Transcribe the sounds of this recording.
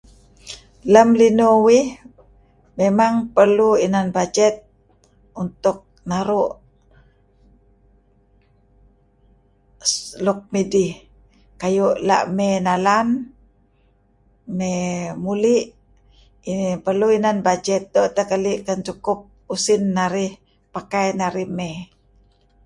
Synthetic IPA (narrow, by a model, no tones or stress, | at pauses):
ləmlinowih | memaŋpərluinanbad͡ʒɛt̪̚ | unt̪ʊk̚naɾuʔ | sluk̚mɛdi | kajuʔla̰ʔmɛnalan | mɛmuliʔ | ipərluinanbad͡ʒɛt̪̚d̪ɔt̪akaliʔkənt͡ʃukup̚usinːaɾih | pakajnaɾihmɛ